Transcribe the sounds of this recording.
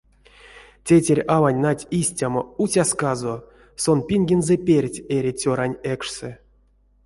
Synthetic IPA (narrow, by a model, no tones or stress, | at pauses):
tʲetʲeɾʲavanʲnatʲisʲtʲamout͡sʲaskazo | sonpʲiŋʲɡʲenzɛpʲerʲtʲeɾʲit͡sʲoɾanʲekʂsɛ